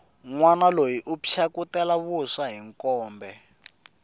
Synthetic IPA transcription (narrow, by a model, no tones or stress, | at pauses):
ŋwanalojiʔupʰjakutɛlaβuʂaɦiŋkɔːmbɛ